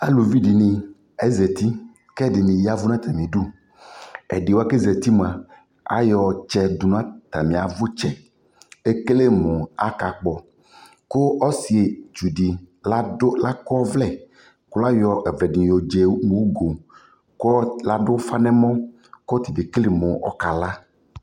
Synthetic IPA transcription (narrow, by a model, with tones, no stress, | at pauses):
a̰˦lu˨vi˦ɖi˨nĩ˨ | ɛ˦zɛ˨t̪i˦ | kɛ˦di˨nĩ˨ja˦vu˦nã˦t̪a˨mĩ˨ɖu˦ | ḛ˨ɖi˨wo˦a˦ke˦zɛ˨t̪i˦m˨a˨ | a̰˦jɔ˨t͡ʃɛ˦˨d̪u˨nã˦t̪a˨mĩ˨a˨vʊ˦t͡ʃɛ˦ | e˦ke˦le˦mõ˨a˦ka˨k͡pɔ˨ | ko˦ɔ˦si˨e˨t͡ʃu˨ɖi˨la˦la˦kɔ˦vlɛ˦˨ | kʊ˦la˦jɔ˨ɛ˨vlɛ˨dĩ˨jo˨d͡ʒe˨mũ˦ɡo˨ | kla˦ɖʊ˦fa˦nɛ̃˦mɔ̃˦ | kɔ˦t̪i˨de˨kle˨mõ˨ʔɔ̰˨ka˨la˦